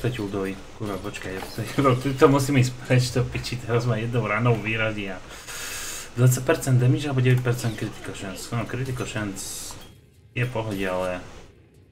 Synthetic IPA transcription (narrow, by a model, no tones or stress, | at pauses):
t̪acud̪ɔʋi | kuɾapɔt͡ʃkact̪ɛcud̪ɔt̪ut̪ɔmusiːmɛispɾɛt͡ʃt̪ɔpit͡ʃit̪ɛɾazmajɛd̪nɔʊɾaːnɔʊʋiːɾazia | d̪ʋat̪t͡sːac̚ʲpɛɾt͡sɛnd̪d̪ɛmiʒalɛbɔɟɛʋɛc̚pɛɾt͡sɛnt̪̚kɾit̪i̥kɔʃɛnsnɔkɾit̪ikɔʃɛns | jɛpɔɦɔɟɪalɛ